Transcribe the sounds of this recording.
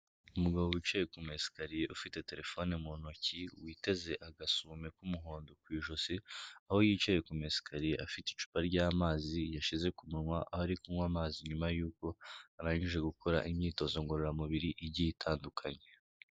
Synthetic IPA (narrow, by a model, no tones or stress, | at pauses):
umuɡaβo̞wit͡ʃaje̞kumesi̥kaɾije̞ʔufite̞te̞ɾe̞fo̞nemonociwiːte̞ze̞ʔaɡasuːme̞kumuɦo̞ːndokwiːʒo̞siaho̞jiːt͡ʃajekume̞si̥kʰaɾije̞ʔafiti̥t͡ʃu̥paɾɟaːmaːzijaʃize̞kumuŋwaʔahoaɾikumwamaːziɲumajuːko̞aɾaːɲiʒe̞ɡukʰoɾa̰ʔimɲiːto̞zo̞ŋɡoɾoɾamuβiɾiʔiɟijitʰaːndukʰaɲe̞